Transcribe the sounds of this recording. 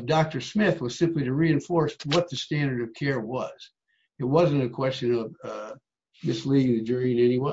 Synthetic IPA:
dɑk̚tə˞smɪθwʌz̥sɪ̃mpliɾɨɹiɨ̃ɱfɔɹswʌt̪̚ðɨstæ̃ndə˞ɾʌv̥kʰɛɹwʌz̥ | ɨt̚wʌzɨ̃nɨkʰw̥ɛst͡ʃɨ̃nʌv | mɪsliɾɪ̃ŋðɨd͡ʒɜɹiɨ̃nɛniweɪ

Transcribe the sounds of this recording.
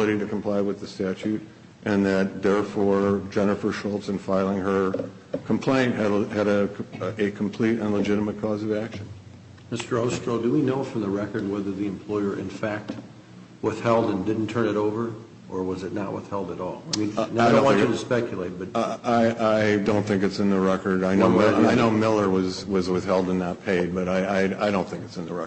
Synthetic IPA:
lˠəɾiɾɨkʰm̩pʰl̥aɪwɨðɨstæt͡ʃʉɾ | ʔɨ̃nðɨt̪̚ðɛɹfɔɹd͡ʒɛnɨfə˞ʃɔlˠpsɨ̃nfaɪlˠɪ̃ŋə˞ | kʰm̩pʰl̥ẽɪ̃nʔɨɾɨɾɨɨkʰm̩pʰl̥iɾɨ̃nləd͡ʒɪɾəmɨt̚kʰɔzʌvækʃɨ̃n | mɪstə˞oʊstɹ̥oʊdɨwinoʊfɹʌ̃mðəɹɛkə˞d̚wɛðə˞ðiɨ̃mpʰl̥ɔɪə˞ʔɨ̰̃nfæk̚t̚ | wɪθhɛlˠdɨ̃ndɪdⁿn̩tʰɜ̃˞nɨɾoʊvə˞ | ʔə˞wʌzɨtⁿnəʔ̚wɪ̰θhɛlˠdɨɾɔ̰lˠaɪmĩnadõɨɾɨspɛkʰjɨlˠeɪt̚b̥ʌt̚aɪʔaɪdõʊ̃nθɪ̃ŋk̬ɨtsɨ̃nðəɹɛkə˞daɪnʊaɪnoʊmɪlˠə˞wʌzwʌzwɪθhɛlˠdə̃nːət̚pʰeɪd̚bʌɾaɪaɪa̰ɪɾõʊ̃nθɪ̃ŋkɨtsɨ̃nðəɹɛ

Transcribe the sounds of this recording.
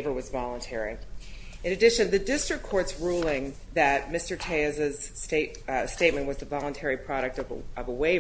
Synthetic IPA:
və˞wʌzvɑlˠə̃ntʰɛɹḭ | ɨ̃nɨdɪʃɨ̃nðɨdɪstɹ̥ɨkʰːɔɹtsɹulˠɪ̃ŋ | ðɨt̚mɪstə˞tʰeɪɨzɨz̥steɪt̚steɪt̚mɨ̃nʔwʌzðɨvɑlˠə̃ntʰɛɹipʰɹ̥ɑɾɨk̚tʌ̰ʌvəweɪ

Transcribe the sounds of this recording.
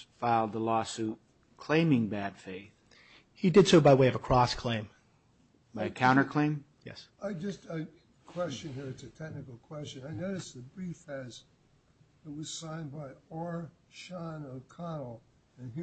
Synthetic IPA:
faɪlˠd̪̚ðəlɔsʉt̚ | kʰl̥ẽɪ̃mɪ̃ŋbæd̥feɪθ | hidɨdsoʊbaɪweɪʌvəkʰɹ̥ɔskʰl̥ẽɪ̃m | b̥aɪɨkʰãʊ̃ɾ̃ə˞kʰl̥ẽɪ̃m | jɛ̰s | aɪd͡ʒʌstaɪ | kʰw̥ɛst͡ʃɨ̃nə˞ɨtsɨtʰɛk̚nɨkl̩ˠkʰw̥ɛst͡ʃɨ̃naɪnoʊɾɨsðɨbɹifɨz | ðɨt̚wʌz̥sãɪ̃nbaɪɔɹʃɑ̃nəkʰɑnl̩ˠ | ɨ̃n

